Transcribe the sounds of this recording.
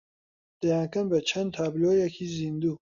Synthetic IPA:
d̪̥ɐjaːnkɐmbət͡ʃʰɐnd̪̚t̪ʰaːblojekʰizind̪u

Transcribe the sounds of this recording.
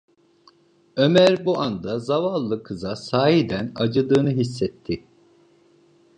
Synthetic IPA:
ø̞mæɾbuʔand̪azavalˠːɯkʰɯzasaːɦid̪ænad͡ʒɯd̪ɯːnɯɦisːɛt̪ʰːɪ

